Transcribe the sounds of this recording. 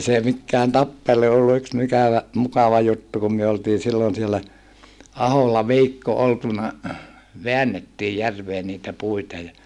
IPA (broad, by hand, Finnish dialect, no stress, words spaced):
se mikːæːn tɑpːelu olːu yks mikæʋæ mukɑʋɑ jutːu kum myø oltiː silːon sielːæ ɑholːɑ ʋiːkːo oltunɑ ʋeænːetːiːj jærʋeː niːtæ puitɑ jɑ